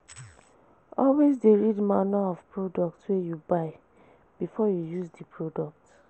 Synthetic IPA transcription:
ɔlwezdeɹidmanaɔvpɹodɔk̚twejubaɪ | b̥ifɔjujuzdipʰɹodɔk̚t

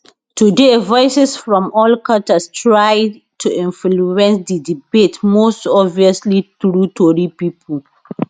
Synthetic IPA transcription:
tudevɔɪsɛsfɹɔ̃mɔlkatastɹaj | tʰuĩnfluɛ̃nsdidibetmostɔbviəsliθɹutʰoɾipipʰəl

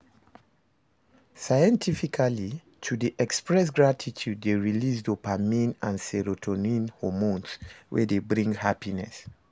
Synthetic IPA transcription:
sajɛ̃ntʰifikʰali | tʰudiʔɛkspɹɛs̬ɡɹatʰitʰjud̚ːeɹilisdopamĩnãnsɛɹotʰɔnĩnhɔmõnswʔɛ̰debɹĩŋɡhapinɛs

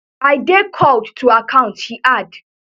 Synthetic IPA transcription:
aɪdekʰɔldtʰːuakʰãʊ̃nthiʔad

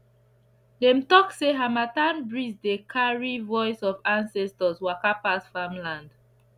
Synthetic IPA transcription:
dẽmtɔkseɦamatãnbɹisdekʰaɹivɔɪsɔvãnsɛstɔswakapasfamlãnd

